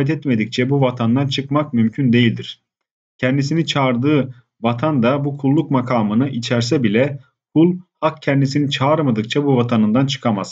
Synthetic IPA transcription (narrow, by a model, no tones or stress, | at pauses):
ɛt̪ʰɛt̪me̞d̪ic̚t͡ʃʰɛbuvat̪ʰand̪ant͡ʃʰɯkmak̚mymcʰynd̪ejilʲd̪iɾ̥ | cʰɛnd̪isinit͡ʃʰaɾd̪ɯː | vat̪ʰand̪abukʰulˠːukmakʰaːmɯnɯʔit͡ʃʰæɾs̬ɛbilʲɛ | kʰulˠhakcʰɛnd̪isinit͡ʃʰaːɾmad̪ɯk̚t͡ʃʰabuvat̪ʰanɯnd̪ant͡ʃʰɯ̥kʰamaz